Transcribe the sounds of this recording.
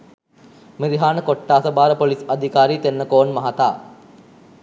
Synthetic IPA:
miɾiɦaːnəkoʈːaːsəbaːɾəpolisad̪ʱikaːɾiːt̪enːəkoːnmɐɦat̪a̰ː

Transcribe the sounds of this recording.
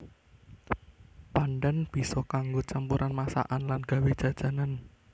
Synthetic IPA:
paɳɖənb̥i̤sɔkaŋɡot͡ʃampuɾʔanmasa̰ʔanlanɡ̥ä̤wed̥ʒ̥ä̤d̥ʒ̥ä̤nan

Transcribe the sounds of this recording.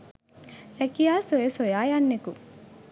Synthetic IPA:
ɾɛkijaːsojesojaːjanːeku

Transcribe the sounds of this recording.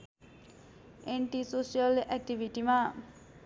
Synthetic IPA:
eɳʈisosialʔɛk̚ʈiʋiʈima

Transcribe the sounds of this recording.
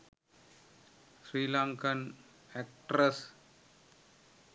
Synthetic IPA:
sɾiːlãːŋkɐn | ɛk̚ʈɾɐs

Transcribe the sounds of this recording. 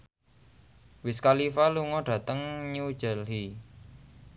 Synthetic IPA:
wɪskalifaluŋɔɖ̥ä̤t̪əŋɲud̥ʒ̥ə̤lhi

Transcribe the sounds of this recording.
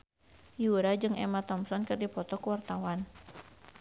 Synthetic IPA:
juɾad͡ʒɨŋɛ̰mat̪ɔmsɔnkɨrdipɔt̪ɔkuwart̪awan

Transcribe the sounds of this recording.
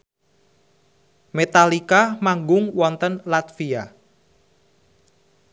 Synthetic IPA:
met̪alikamaŋɡʊŋwɔnt̪ənlat̪fia

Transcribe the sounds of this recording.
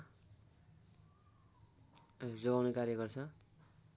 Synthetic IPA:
d͡zoɡawnekaɾjʌɡʌrt͡sʰʌ

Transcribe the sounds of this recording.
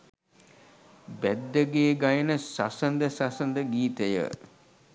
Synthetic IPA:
bæd̪ːəɡeːɡajənəsasənd̪əsasənd̪əɡiːt̪əjə̰

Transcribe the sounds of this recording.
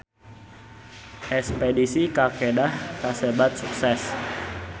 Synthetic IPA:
ʔɛspedisikakedahkasebat̪̚suksɛs

